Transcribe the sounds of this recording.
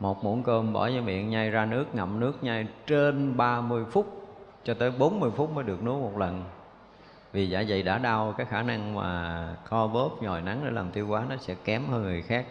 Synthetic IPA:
mo˨˩t̚mṵ˧˩ənkəː˧mɓɔ̰˧˩zə˧˦mɓḭ˧˨ənɲa˧jzaː˧nɨ˦˥ək̚ŋə̰˧˨˩m̚nɨ˦˥ək̚ɲa˧jt͡ɕe˧nɓaː˧mɨ˧əjfʊ˦˥k͡p̚t͡ɕɔ˧t̪əː˨˦jɓo˨˦nmɨ˧əjfʊ˦˥k͡p̚məː˨˦ɗək̚nɨ̰˧˦˥k̚mo˨˩t̚lə˨˩n | vi˨˩za̰ː˧˩zə̰˧˨jɗa̰ː˧˥ɗa˧wkaː˨˦jxaː˧˩na˧ŋma̰ː˨˩xɔ˧vo˦˥p̚ɲɔ˨˩jna˨˦ŋɗə̰˧˩laː˨˩mt̪i˧əwkwaː˨˦nɔ˨˦sɛ̰˧˥kɛ˨˦mhəː˧nŋɨ˨˩əjxaː˦˥k̚

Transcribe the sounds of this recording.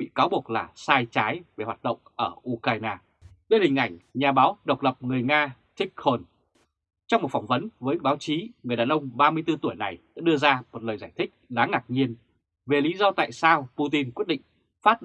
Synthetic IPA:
ɓḭ˧˨kaː˨˦wɓu˨˩ək̚laː˨˩saː˧jt͡ɕaː˨˦jve˨˩hwaː˨˩t̚ɗə̰˧˨wŋ͡mʔəː˧˩ʔu˧kaː˧jnaː˧ | ɗe˧nhï˨˩ŋ̟ʔa˧˩jŋ̟ɲaː˨˩ɓaː˨˦wɗə˨˩wk͡p̚lə˨˩p̚ŋɨ˨˩əjŋaː˧t̪ʰï˦˥k̟̚xo˧n | t͡ɕɔ˧wŋ͡mmo˨˩t̚fɔ˧˩ŋ͡mvə˨˦nvəː˨˦j̚ɓaː˨˦wt͡ɕi˨˦ŋɨ˨˩əjɗaː˨˩nʔə˧wŋ͡mɓaː˧mɨ˧əjt̪ɨ˧t̪u˧˩əjna˨˩jɗa̰ː˧˥ɗɨ˧əzaː˧mo˨˩t̚ləː˨˩zaː˧˩jt̪ʰï˦˥k̚ɗaː˨˦ŋaː˨˩k̚ɲi˧ən | ve˨˩li˨˦zɔ˧t̪a̰ː˧˨jsaː˧wpu˧t̪i˧nkwi˦˥ət̚ɗḭ˧˨ŋ̟ | faː˦˥t̚

